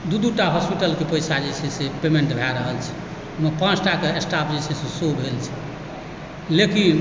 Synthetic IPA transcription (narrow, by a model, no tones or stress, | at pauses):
d̪ud̪uʈaɦɔspiʈəlkepəjsad͡ʒet͡ʃʰɛsepemeɳʈbʱaɾəɦəlt͡ʃʰɛ̥ | unəpãt͡ʃʰʈakeesʈapʰd͡ʒet͡ʃʰɛsesobʱelt͡ʃʰɛ̥ | lekin